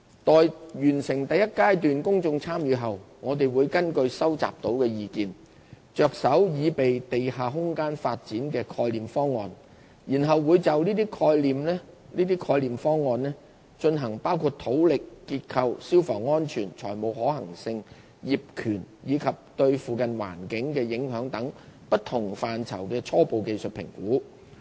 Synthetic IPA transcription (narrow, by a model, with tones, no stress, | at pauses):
t̪ɔː˨jjyː˨˩nsɪ˨˩ŋt̪ɐ˨jːɐ˥t̚kaː˥jt̪yː˨nkʊ˥ŋt͡sʊ˧ŋt͡sʰaː˥mjyː˨˧ɦɐ˨˩wŋɔː˨˧t̪e˨jwuː˨˧jkɐ˥nkɵ˧ɥsɐ˥wt͡sa̰ː˨p̚t̪o˨˥wkɛː˧jiː˧kiː˨n | t͡ʃœː˨˧k̚sɐ˨˥wjiː˨˧pe˨jt̪e˨jhaː˨˩ɦʊ˥ŋkaː˥nfa̰ː˧t̚t͡siː˨˥nkɛː˧kʰɔː˧jliː˨mfɔː˥ŋːɔ̰ː˨˧n | ji˨˩nɦɐ˨wːuː˨˧jt͡sɐ˨wniː˥t̪iː˥kʰɔː˧jliː˨mlɛː˥ | niː˥t̪iː˥kʰɔː˧jliː˨mfɔː˥ŋːɔː˨nlɛː˥ | t͡ʃɵ˧nɦɐ˨˩ŋpaː˥wkʰuː˧t̚t̪ʰo˨˥wlɪ˨kːiː˧t̚kʰɐ˧wsiː˥wfɔ̰ː˨˩ŋːɔː˥nt͡ʃʰyː˨˩nt͡ʃʰɔː˨˩jmo˨˧wɦɔː˨˥hɐ̰˨˩ŋsɪ˧ŋ | jiː˨p̚kʰyː˨˩njiː˨˧kʰɐ˨p̚t̪ɵ˧ɥfuː˨˧kɐ˨nwa̰ː˨˩nkɪ˨˥ŋkɛː˧jɪ˨˥ŋɦœː˨˥ŋt̪ɐ˨˥ŋpɐ˥t̚t̪ʰʊ˨˩ŋfaː˨nt͡sʰɐ̰˨˩wkɛː˧t͡sʰɔː˥po˨wke˨˧jsɵ˨t̚pʰɪ̰˨˩ŋkuː˨˥